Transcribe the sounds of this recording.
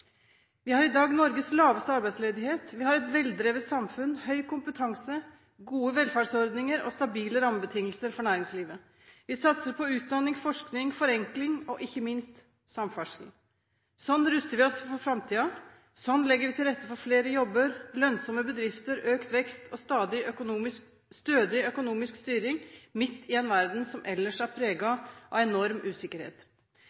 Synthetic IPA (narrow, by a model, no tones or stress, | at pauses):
ʋɪhɑɾɪd̪ɑːɡnɔɾɡəslɑːʋəst̪əɑɾbæɪsleːd̪ɪheːt̪ʋɪhɑɾɛt̪ʋɛld̪ɾeːʋət̪sɑmfʉnhœʏkʊmpət̪ʰɑŋsə | ɡuːəʋɛlfæːʂɔɾd̪nɪŋəɾɔ̰st̪ɑbiːləɾɑmːəbət̪ʰɪŋːəlsəɾfɔɳæːɾɪŋsliːʋə | ʋɪsɑt̪səɾpʰɔʉːt̪̚d̪ɑnːɪŋfɔʂknɪŋfɔɾɛŋklɪŋɔʔɪçːəmɪnst̪ | sɑmfæʂl̩ | sɔnːɾʉst̪əɾʋɪɔsfɔɾfɾɑmt̪ʰiːɑ | sɔnːlɛɡːəɾʋɪt̪ʰɪlɾɛt̪ːəfɔɾfleːɾəjɔbːəɾlœnsɔmːəbəd̪ɾɪft̪əɾøːkt̪ʋɛkst̪ʰɔst̪ɑːd̪ɪʊːmɪs | st̪øːd̪ɪœkʊnuːmɪskst̪yːɾɪŋmɪt̪ːɪɛnʋæɾd̪n̩sɔmʔɛlːəʂæɾpʰɾeːɡɑʔɑ̰ʋɛnɔɾmʉːsɪkːəɾhḛːt̪